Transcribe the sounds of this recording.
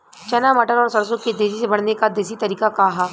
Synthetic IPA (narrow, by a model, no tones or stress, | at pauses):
t͡ʃɐnamɐʈəɾɔːɾsɐɽsõked̪eːʃisebɐɽ̤nekad̪eːs̬it̪ɐɾiːkakaɦaː